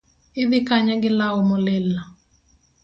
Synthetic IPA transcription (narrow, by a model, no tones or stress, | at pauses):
ɪd̪ɪkaɲaɡɪlawɔmɔlɛlːa